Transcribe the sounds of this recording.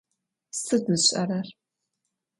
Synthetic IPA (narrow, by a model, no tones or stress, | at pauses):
sɨdɨzɕʼɐrɐr